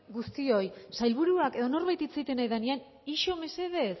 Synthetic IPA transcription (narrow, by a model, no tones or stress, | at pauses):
ɡust̪io̞jsajlβuɾuake̞ð̞o̞no̞ɾβajt̪it͡sejt̪e̞najðanian | iʃo̞me̞se̞ð̞e̞s